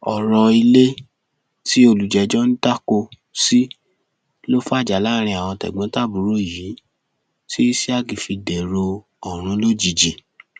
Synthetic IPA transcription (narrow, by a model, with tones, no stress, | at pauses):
ɔ˨ɾɔ˧i˧le˦ | ti˦o˧˨lu˨d͡ʒɛ˨˧d͡ʒɔ˦ñ̩˦ta˦ko˧ | si˦ | lo˦fa˦˨d͡ʒa˨la˦˨ɾ̃ĩ˧a˨w̃ɔ̃˧tɛ̰˨ɡ͡bɔ̃˨˦ta˦˨bu˨ɾo˦˨ji˨˦ | ti˦i˦si˦a˦ɡĩ˨fi˧dɛ˨ɾo˧ | ɔ˨ɾ̃ũ˨˦lo˦d͡ʒi˨d͡ʒi˨